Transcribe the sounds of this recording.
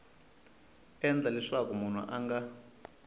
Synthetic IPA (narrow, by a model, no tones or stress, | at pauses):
ɛnd͡ɮʱalɛʂakumun̤ṵʔaŋɡa